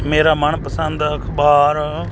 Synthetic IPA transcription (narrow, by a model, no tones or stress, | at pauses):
meːɾaːməɳpəsə̃nd̪əkʰbaːɾ